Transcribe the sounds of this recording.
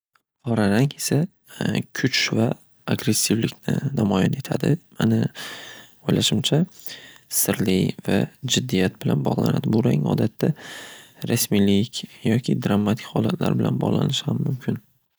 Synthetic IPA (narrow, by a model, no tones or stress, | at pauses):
qʰɒɾaɾaŋesa | kʲʰʊt͡ʃva | aɡɾe̞sːɪvlɪkʲnɪ̰namɒjane̞t̪ʰad̪ɪma̰nɪ | ojlaʃɪmt͡ʃʰa | sɪɾlɪva̰d͡ʒɪd̪ːijat̪̚bɪlanbɒʁlˠa̰nad̪ɪbʊɾaŋɒ̰d̪at̪ʰːa | ɾasmilɪkʲjɒkʲʰɪd̪ɾamːat̪ʰɪ̥kʲhɒlˠat̪ʰla̰ɾbɪla̰nbɒ̰ʁlˠa̰nɪʃhamːʊmkʲʰɪn